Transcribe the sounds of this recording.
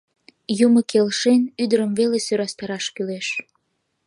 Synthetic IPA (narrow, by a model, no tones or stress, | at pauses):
juməkelʃenyd̪əɾəmvelesøɾɑst̪ɑɾɑʃkyleʃ